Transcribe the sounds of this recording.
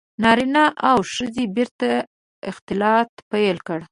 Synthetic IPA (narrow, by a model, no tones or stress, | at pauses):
nɑɾinaʔawʂəzebɪɾt̪a | ɪxt̪ɪlɑt̪pajlkəɽ